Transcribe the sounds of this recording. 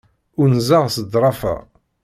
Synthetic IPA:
ʊɾnzaʁsəd̪ɾˤɑfæ̰

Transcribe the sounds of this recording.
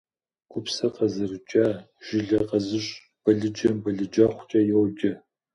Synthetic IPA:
ɡʷʼʊpsɐqɐzɨrɨt͡ʃʼaː | ʒ̥ɪɮɐqɐzɨɕʼ | b̥ɐɮɨd͡ʒɐmbɐɮɨd͡ʒɐχʷʊt͡ʃʼɐjɛwd͡ʒʼɐ

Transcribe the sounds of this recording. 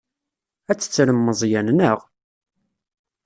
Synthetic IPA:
æt͡sːə̥t͡sːɾəmːəzˤjænnəʁ

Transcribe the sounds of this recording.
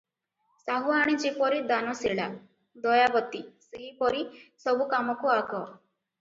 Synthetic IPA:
saɦuaɽ̃id͡ʒepɔɾid̪anɔseɭa̰ | d̪ɔjabɔt̪iseɦipɔɾisɔbukamɔkuaɡɔ

